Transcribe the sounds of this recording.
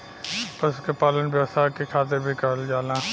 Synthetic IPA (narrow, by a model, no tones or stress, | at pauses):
pəskepaːlənʋjəʋst̪ʰakekʰaːt̪̬ɪɾbʱikɐɾəld͡ʒaːlaː